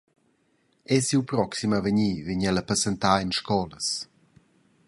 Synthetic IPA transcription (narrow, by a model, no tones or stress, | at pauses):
ɛsiwpɾɔksimavəɲiːviɲaləpəsent̪aːinʃkɔləs